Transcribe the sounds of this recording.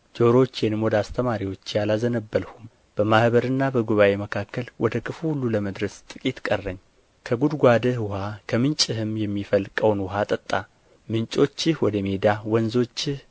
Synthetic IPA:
d͡ʒo̞ɾo̞t͡ʃːjɛnɨmwɔd̪ast̪ʰəmaɾiwo̞t͡ʃːjalazənəbːəlhum | b̥əmahbəɾɨnːabəɡuβaʔe̞məkʰakːəlwɔd̪əkʰɨfuhulːuləməd̪ɾəst̪ʼɨkʼit̪kʼərːəɲː | kʰəɡud̪ɡʷad̪əhwʊhakʰəmɨnt͡ʃʼɨhɨmjɛmːifəlkʼəwnwʊɦat̪ʼət̪ʼːa | mɨnt͡ʃʼo̞t͡ʃːɪhwɔd̪əme̞d̪awɔnzo̞t͡ʃːɪh

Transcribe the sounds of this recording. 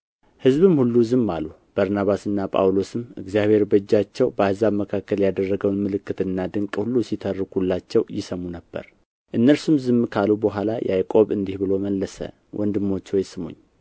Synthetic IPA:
hɨzβɨmhulːuzɨmːalu | b̥aɾnaβasɨnːapʼa̰wlo̞sɨmɨ̰ɡzijaβhe̞ɾbəd͡ʒːat͡ʃːɛwbəhɨzaβməkʰakːəljad̪ərːəɡəwnmɨlɨkːɨt̪ɨnːad̪ɨŋkʼhulːusit̪ʰərːɨkhulːat͡ʃːɛwjɪsəmːunəbːə̰ɾ | ʔɨnːəɾsumzɨmːkʰalubəɦʷalajʔʔajkʼo̞βɨnd̪ihbɨlo̞məlːəsə̰ | wʔɔnd̪ɨmːo̞t͡ʃːwɔjsɨmṵɲː

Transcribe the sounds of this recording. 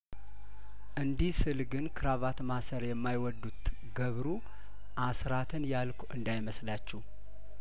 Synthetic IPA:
ʔɨnd̪ihsɨlɡɨnkʰɨɾaβat̪masəɾjɛmːajwɔd̪ːut̪ | ɡəβɾu | ʔasɾat̪ʰɨnjalkʰʔɨnd̪ajməslat͡ʃːɛh

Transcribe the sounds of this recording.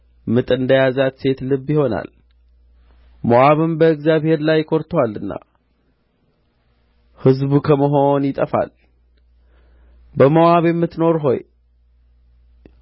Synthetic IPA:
mɨt̪ʼɨnd̪əjazat̪se̞t̪lɨbːjɪho̞na̰l | moʔaβɨmbəɨɡzjaβhe̞ɾlajːɪkʰo̞ɾt̪ʰwalɨnːa̰ | hɨzbukʰəməɦo̞njɪt̪ʼəfa̰l | bəmoaβjɛmːɨt̪no̞ɾɦo̞̰j

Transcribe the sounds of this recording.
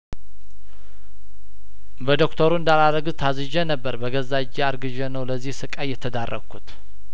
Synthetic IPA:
bəd̪o̞kt̪ʰəɾuɨnd̪alaɾəɡt̪ʰazɨʒənəbːəɾbəɡəzad͡ʒːeaɾɡɨʒənəwləzːihsɨkʼajɛt̪ʰəd̪arːʔə̰ɡʰut̪

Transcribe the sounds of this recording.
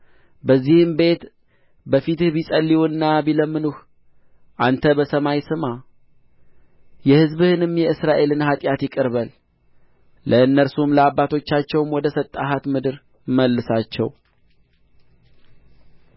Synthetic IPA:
bəzːihɨmbe̞t̪ | bəfit̪ɨhbisʼəlːiwnːabiləmːɨnuh | ʔant̪ʰəbəsəmajsɨma | jɛhɨzbɨhɨnɨmjɛɨsɾaʔe̞lɨnhat̪ʼjat̪jɪkʼɨɾβəl | əɨnːəɾsumləabːat̪ʰo̞t͡ʃːat͡ʃːɛwmwɔd̪əsət̪ʼːaɦat̪mɨd̪ɨɾ | məlːɨsat͡ʃːɛ̰w

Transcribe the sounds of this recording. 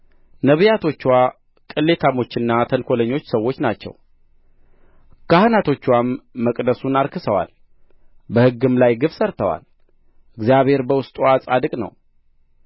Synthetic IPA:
nəβɨjat̪ʰo̞t͡ʃːwa | kʼɨlːe̞t̪ʰamo̞t͡ʃːɨnːat̪ʰənkʷʰo̞ləɲːo̞t͡ʃːsəwːo̞t͡ʃːnat͡ʃːɛ̰w | kahɨnat̪ʰo̞t͡ʃːwamːəkʼd̪əsunaɾkʰɨsəwa̰l | bəhɨɡːɨmlajɡɨfsəɾt̪ʰəwa̰l | ʔɨɡzijaβhe̞ɾbəwʊst̪ʼuasʼad̪ɨkʼnə̰w

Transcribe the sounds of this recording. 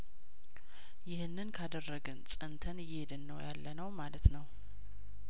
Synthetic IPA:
jɪhɨnːɨnkʰad̪ərːəɡɨnsʼɨnt̪ʰənjɪed̪ɨnːəwjalːənəwmalət̪nəw

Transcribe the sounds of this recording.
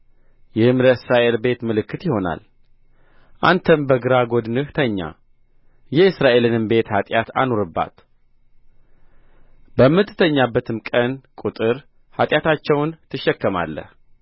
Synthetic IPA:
jɛɨmɾəsɾaʔe̞lbe̞t̪mɨlɨkːɨt̪jɪho̞na̰l | ʔant̪ʰəmbəɡɨɾaɡo̞d̪nɨht̪ʰəɲːa̰ | jɛɨsɾaʔe̞lɨnɨmbe̞t̪hat̪ʼjat̪a̰noɾɨbːa̰t̪ | bəmːɨt̪ːɨ̥t̪ʰəɲːabːət̪ʰɨmkʼənkʼut̪ʼɨɾ | hat̪ʼjat̪ʰat͡ʃːɛwnt̪ʰɨʃːɛkːəma̰lːə̰h

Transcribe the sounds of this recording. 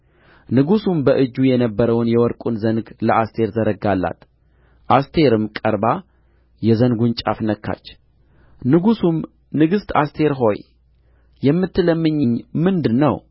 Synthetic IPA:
nɨɡusumbəʔɨd͡ʒːujɛnəbːəɾəwnjɛwɔɾkʼunzənɡləʔast̪ʰe̞ɾzəɾəɡalːa̰t̪ | ʔast̪ʰe̞ɾɨmkʼəɾba | jɛzənɡunt͡ʃʼa̰fnəkʰːa̰t͡ʃː | nɨɡusum | nɨɡɨst̪ʰa̰st̪ʰe̞ɾɦo̞j | jɛmːɨt̪ʰːɨləmːɨɲːɨɲːmɨnd̪ɨnːəw

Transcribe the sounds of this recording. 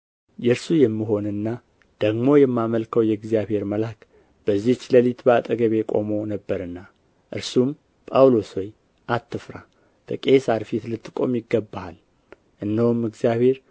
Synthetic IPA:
jɛɾsujɛmːiɦo̞nɨnːa | d̪̥əɡmo̞jɛmːaməlkʰəwjɛɨɡzjaβhe̞ɾməlak | b̥əzːiht͡ʃːləlit̪bəat̪ʼəɡəβe̞kʼo̞̰mo̞nəbːəɾɨnːa | ʔɨɾsum | pʼawloswoj | ʔat̪ːɨfɾa | t̪ʰəkʼesaɾfit̪lɨt̪ːɨ̥kʼo̞̰mjɪɡːəbːaal | ʔɨnːəwumːɨɡzijaβhe̞ɾ

